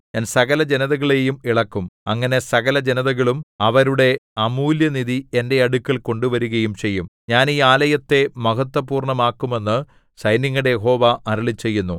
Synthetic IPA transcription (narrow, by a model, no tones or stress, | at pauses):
ɲaːnsɐɣɐlɐd͡ʑenɐðɐɣɐɭe̞jumiɭɐkːumɐŋːɐne̞sɐɣɐlɐd͡ʑenɐðɐɣɐɭumɐʋɐɾuɽe̞ɐmuːljɐniðie̞nde̞ɐɽukːilko̞ɳɖuʋɐɾuɣɐjumt͡ɕe̞jːumɲaːniːaːlɐjɐt̪ːe̞mɐɣɐt̪ːɐpuːrɳɐmaːkːume̞nːɨ | sɐjniŋːɐɽejeɦo̞ːʋaʔɐɾiɭit͡ɕːe̞jːunːu